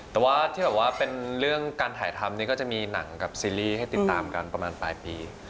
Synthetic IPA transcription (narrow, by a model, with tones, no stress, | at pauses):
t̪ɛː˨˩waː˥˩t̪ʰiː˥bɛː˨˩waː˥˩pe˧nɾɯ˥˩əŋkaː˧nt̪ʰaː˨˩˦jt̪ʰa˧mniː˥˩kɔ˥˩t͡ɕa˨˩miː˧na̰˩˦ŋka˨˩p̚siː˧liː˥˩ha˥˩jt̪i˨˩t̪ːaː˧mka̰˧npɾa˧maː˧npa̰ː˧jpiː˧